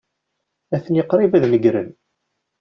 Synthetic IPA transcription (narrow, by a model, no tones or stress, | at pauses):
æθənjəqːɾˤɪvæðnəɡɾə̰n